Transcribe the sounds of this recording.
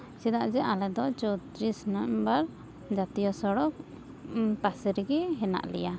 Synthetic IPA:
sɛd̪aʔd͡ʒɛʔalɛd̪ɔt͡ʃɔt̪ɾisnɔmbaɾ | d͡ʒat̪ijɔsɔɽɔk̚ | pasɾiɡiɦɛna̰ʔlɛ̰ja

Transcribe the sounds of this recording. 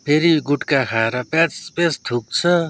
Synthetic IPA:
pʰeɾiɡuʈkakʰaeɾʌpat͡spet͡sst̪ʰuk̚t͡sʰʌ

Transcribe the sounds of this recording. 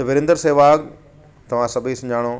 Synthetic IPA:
ɐbɪɾɪ̃nd̪əɾseːʋaːk̚ | t̪ɐʋ̤ãsɐbʱisɐ̃d͡ʑʱaːɽ̃oː

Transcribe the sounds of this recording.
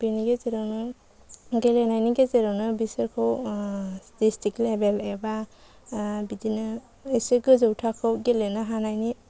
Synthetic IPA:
b̥iniɡezeɾawnɯ | ɡelenajniɡezeɾawnɯbisɯɾkʰɯw | distʰiklebeleba | bidinɯ | eseɡɯzɯwtʰakʰɯwɡelenaɦanajni

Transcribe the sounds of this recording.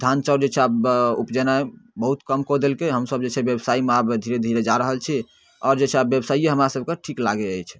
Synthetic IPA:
d̪ʱant͡ʃəɾd͡ʒet͡ʃʰɛabupd͡ʒənaebəɦut̪kəmkod̪elkeɦəmsəb̚d͡ʒet͡ʃʰɛbjebsaimeabd̪ʱiɾed̪ʱiɾed͡ʒaɾəɦəlt͡ʃʰi | ɔɾd͡ʒet͡ʃʰɛabjebsaieɦəmɾasəb̚ʱkeʈʰiklaɡeəjt͡ʃʰ

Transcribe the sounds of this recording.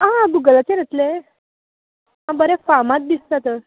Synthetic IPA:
ɦãɡuɡəlat͡seɾət̪le | ɦãbəɾefamat̪̚d̪ist̪at̪ə

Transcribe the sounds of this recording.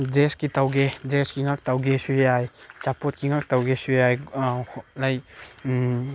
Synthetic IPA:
d͡ʒeskitawɡed͡ʒeskiŋak̚tawɡesujajt͡ʃapɔt̚kiŋak̚tawɡesujaj | laj

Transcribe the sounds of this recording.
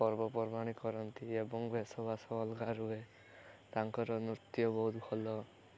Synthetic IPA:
pɔɾbɔpɔɾbaɽ̃ikɔɾɔnt̪iebɔŋbʱesɔbasɔːlɡaɾue | t̪aŋkɔɾɔnut̪jɔbɔɦut̪kʰɔlɔ

